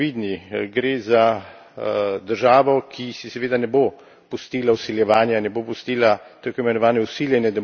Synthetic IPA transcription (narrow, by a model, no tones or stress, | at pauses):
id̪niɡɾeːza | d̪əɾʒaːʋɔkʰisisɛʋeːd̪anɛbo | pust̪iːlausiljɛʋaːnjanɛbopust̪iːlat̪əɾkoimɛnɔʋaːnɛusiːljɛnɛd̪ɛ